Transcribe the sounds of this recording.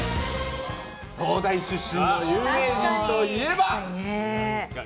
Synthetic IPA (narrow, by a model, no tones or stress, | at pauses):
t̪o̞ːd̪aiɕɨɕːĩnːojɯːme̞ːd͡ʑĩnt̪o̞ie̞ba